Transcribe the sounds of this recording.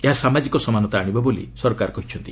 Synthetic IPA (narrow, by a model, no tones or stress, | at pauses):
eɦasamad͡ʒikɔsɔmanɔt̪aːɽ̃ibɔbolḭsɔɾɔkaɾɔkɔɦit͡ʃʰɔnt̪i